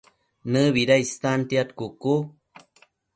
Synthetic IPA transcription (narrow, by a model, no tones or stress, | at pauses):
nɨβiɾaist̪ant̪iat̪kuku